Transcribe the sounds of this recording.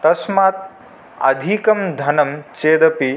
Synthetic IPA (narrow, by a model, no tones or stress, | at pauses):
t̪ɐsmaːt̪̚ | ɐ̰d̪ʱikɐmd̪ʱɐnɐmt͡ʃeːd̪ɐpi